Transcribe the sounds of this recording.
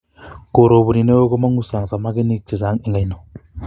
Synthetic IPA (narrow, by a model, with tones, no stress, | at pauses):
ko˨ɾo˨bu˨ni˨ne˦o˦ɡɔ˦ma˦ŋu˦sa˨ŋza˨ma˦ɡe˦ni˦k̚t͡ʃi˨za˨˦ŋi˨ŋa˨jnɔ˨